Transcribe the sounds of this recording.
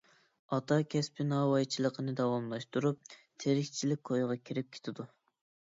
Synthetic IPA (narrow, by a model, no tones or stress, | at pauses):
ɑt̪ʰɑkʲʰɛspʰɪnɑwɑjt͡ʃʰilˠəqʰənɨd̪ɑwɑmlˠɑʃt̪uɾup̚t̪ʰeɾɪkʲt͡ʃʰilɪk̚ʲkʰojʁɑkʲʰiɾɪp̚kʲʰe̥t̪ʰɪd̪u